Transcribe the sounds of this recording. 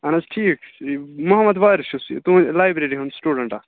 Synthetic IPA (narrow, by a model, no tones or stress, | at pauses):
ɐnɐzʈʰiːkmʊɦɐmːɐd̪ʋaːjɾʃusḭt̪ulaːjbɾeɾiɦɐ̃nd̪sʈuːɖəɳʈa